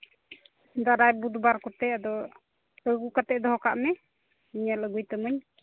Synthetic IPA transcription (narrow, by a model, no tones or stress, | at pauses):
d̪aɾajbud̪baɾkɔt̪ɛad̪ɔ | əɡukat̪ɛʔd̪ɔɦɔkaʔmɛ | iɲaləɡujt̪əməɲ